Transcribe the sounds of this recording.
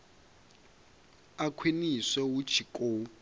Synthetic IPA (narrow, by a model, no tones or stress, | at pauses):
akʰwenisɛwud̥t͡ʃʰikʼoː